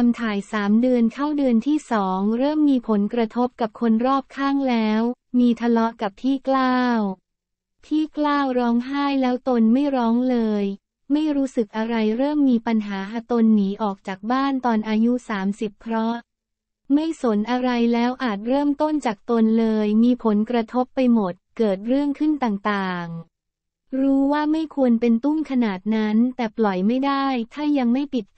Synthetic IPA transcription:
a˧mt̪ʰaː˨˩jsaː˩˦mdɯ˧ənkʰa˥˩wdɯ˧ənt̪ʰiː˥˩sɔː˩˦ŋɾɤː˥˩mːiː˧pʰo˩˦nkɾa˧t̪ʰo˦˥p̚ka˨˩p̚kʰo˧nɾɔː˥˩p̚kʰaː˥˩ŋlɛː˦˥w | miː˧t̪ʰa˧lɔ˦˥ka˨˩p̚t̪ʰiː˥˩klaː˥˩w | t̪ʰiː˥˩klaː˥˩wɾɔː˦˥ŋɦaː˥˩jlɛː˦˥wt̪o˧nma˥˩jɾɔː˦˥ŋlɤː˧j | ma˥˩jɾuː˦˥sɯ˨˩k̚ʔa˧ɾa˧jɾɤː˥˩mːiː˧pa˧nɦaː˩˦ʔa˧t̪o˧nːiː˩˦ʔɔː˨˩k̚t͡ɕaː˨˩k̚baː˥˩nt̪ɔː˧nʔaː˧ju˦˥saː˩˦msi˨˩pʰːɾɔ˦˥ | ma˥˩jso˨˩˦nʔa˧ɾa˧jlɛː˦˥wʔaː˨˩t̪̚ɾɤː˥˩mt̪o˥˩nt͡ɕaː˨˩k̚t̪o˧nlɤː˧jmiː˧pʰo˩˦nkɾa˧t̪ʰo˦˥pːa˧jmo˨˩t̪̚kɤː˨˩t̪̚ɾɯ˥˩əŋkʰɯ˥˩nt̪aː˨˩ŋt̪aː˨˩ŋ | ɾuː˦˥waː˥˩ma˥˩jkʰu˧ənpe˧nt̪u˥˩mkʰa˧naː˨˩t̪̚na˦˥nt̪ɛː˨˩plɔ˨˩jma˥˩jdaː˥˩jt̪ʰaː˥˩ja˧ŋma˥˩jpi˨˩t̪̚

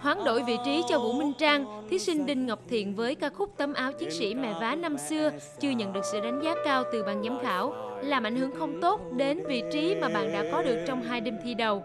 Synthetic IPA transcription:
hwaː˨˦ŋɗo̰˧˩˨jvḭ˧˨t͡ɕi˨˦t͡ɕɔ˧vṵ˧˥mï˧ŋ̟t͡ɕaː˧ŋt̪ʰi˨˦sï˧ŋ̟ɗï˧ŋ̟ŋa˨˩wk͡p̚t̪ʰḭ˧˨ənvəː˨˦jkaː˧xʊ˦˥k͡p̚t̪ə˨˦mʔaː˨˦wt͡ɕi˨˦əŋsḭ˧˩mɛ̰˧˨vaː˨˦na˧msɨ˧ə | t͡ɕɨ˧əɲə̰˧˨nɗɨ˨˩ək̚sɨ̰˧˨ɗa˨˦jŋ̟zaː˨˦kaː˧wt̪ɨ˨˩ɓa̰ː˧˨nɲa˨˦mxaː˧˩wlaː˨˩mʔa̰˧˩jŋ̟hɨ˧˩əŋxə˧wŋ͡mt̪o˦˥t̚ɗe˨˦nvḭ˧˨t͡ɕi˨˦maː˨˩ɓa̰ː˧˨nɗa̰ː˧˥kɔ˨˦ɗɨ˨˩ək̚t͡ɕɔ˧wŋ͡mɦaː˧jɗe˧mt̪ʰi˧ɗə˨˩w

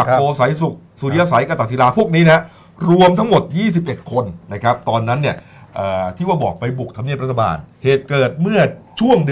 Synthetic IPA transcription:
kʔoː˧sa˩˦jsu˨˩k̚suː˨˩i˧a˧sa˩˦jka˧t̪a˨˩si˨˦laː˧pʰu˥˩ək̚niː˦˥na˦˥ | ɾu˧əmt̪ʰa˦˥ŋmo˨˩t̪̚jiː˥˩s̬i˨˩p̚ʔe˨˩t̪̚kʰo˧nna˦˥kʰa˦˥p̚t̪ɔː˧nːa˦˥nːi˥˩ə | ʔəː˨˩t̪ʰiː˥˩waː˥˩bɔː˨˩k̚pa˧jbu˨˩k̚t̪ʰa˧mni˥˩p̚ɾa˥a˧ba̰ː˧nheː˨˩t̪̚kɤː˨˩t̪̚mɯ˥˩ɐt͡ɕʰu˥˩əŋd

